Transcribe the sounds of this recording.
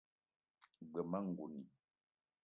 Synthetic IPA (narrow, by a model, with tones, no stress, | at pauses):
ɡ͡bə˨ma˦ŋ̩˨ɡu˨ni˨